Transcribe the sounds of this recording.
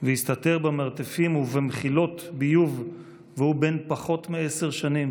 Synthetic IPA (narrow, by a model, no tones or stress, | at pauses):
vejist̪at̪eʁbemaʁt̪efimuvemeχilo̞t̪bijuv | vehubenpaχo̞t̪meese̞ʁʃanim